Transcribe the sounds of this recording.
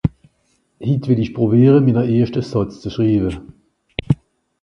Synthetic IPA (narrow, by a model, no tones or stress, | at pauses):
hitvɪlɪçpʁ̥obiːʁənminɐʔeːɐʃtəsɔt͡st͡suʃʁiːbə